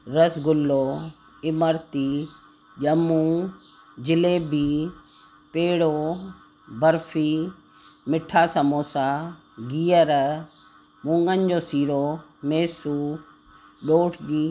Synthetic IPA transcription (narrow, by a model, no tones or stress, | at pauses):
ɾəsɡʊlːoː | ɪməɾt̪iː | ʄəmũː | d͡ʑɪleːbʱi | peːɽoː | bəɾfʰiː | mɪʈʰaːsəmoːsa | ɡiːjəɾ | mʊ̃ŋɡənd͡ʑoːsiːɾoːmeːsuː | ɗoːʈʰiː